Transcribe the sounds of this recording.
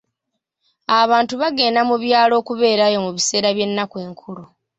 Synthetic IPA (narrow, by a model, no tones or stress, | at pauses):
aβaːntuβaɡe̞ːnamuβjaːlo̞ːkuβe̞ːɾajo̞muβise̞ːɾaβje̞nːakwe̞ːŋkʰulu